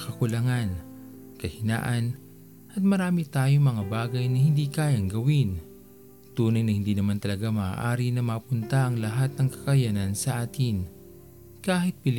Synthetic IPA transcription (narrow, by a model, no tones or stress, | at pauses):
kɐkʊlɐŋan | kɐhɪna̰ːʔɐn | ʔɐt̪̚mɐɾaːmɪt̪aːjomɐŋabaːɡɐjnɐhɪnd̪ikaːjaŋɡɐwɪn | t̪uːnɐjnɐhɪnd̪iːnɐmant̪ɐlɐɡama̰ːʔaːɾinɐmapʊnt̪ɐʔɐŋlɐɦat̪̚nɐŋkɐ̥kɐjanɐnsɐʔaːt̪ɪn | kaːhɪt̪̚pɪl